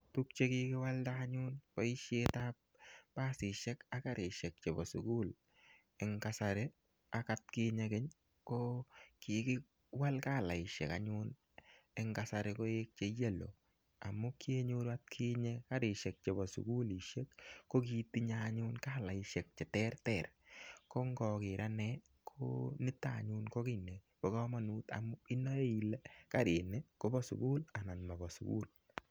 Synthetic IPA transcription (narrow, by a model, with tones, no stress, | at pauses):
tu˦k̚t͡ʃe˦kɪ˦kɪ˦wa˦ltaa˦ɲʊ˦nkɔ˦ɪ˦ʃje˦tap̚paː˦sɪ˨ʃɛ˦ka˦ka˦ɾɪ˨ʃɛ˨k̚t͡ʃe˨bɔ˨su˨ku˦l | ɪ˨ŋka˦saɾe˦ | a˨ka˦t̚kɪ˦ɲe˦kɪ˦ɲ | kɔkɪkɪ˦ | wa˦lkaː˦˨la˨ɪ˨ʃɛ̰˨ka˨ɲʊn | ɛ˦ŋkasa˨ɾɛkɔ˦e˦k̚t͡ʃe˦je˦lo̰˨ | a˨mʊ˦ki˦e˦ɲʊ˦ɾwa˦t̚kʰi˦ɲe˦ka˦ɾɪ˨ʃe˨k̚t͡ʃe˨bɔ˨sṵ˨ɡu˦li˨ʃe˦kːo˦ki˦ti˦ɲa˦ɲʊnkaː˦la˨ɪ˨ʃe˨k̚t͡ʃe˨tɛ˦ɾtɛ˨rko˦ŋɡɔ˨kɪ˨ɾʔa˦nɛ | kʰo̰nɪ˦ta˨ɲʊ˦nko˦kɪ˨ne˨ | po˨kɔ˦ma˨nu˦ta̰˨mʊ˦ɪ˦nːɔ˦e˦i˨le˦ka˦ɾɪ˨nɛ˦ko˦bɔ˦sʊ̰˨ku˦la˨na˨nma˨bɔ˨sʊ̰˨kṵ˦l